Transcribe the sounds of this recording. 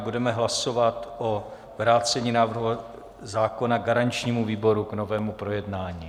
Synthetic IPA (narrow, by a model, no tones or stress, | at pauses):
budɛmɛɦlaso̞vat̪ʔo | vɾaːt͡sɛɲiːnaːvr̩ɦua | zaːko̞naɡaɾant͡ʃɲiːmuviːbo̞ɾuɡno̞vɛːmupɾo̞jɛdnaːɲiː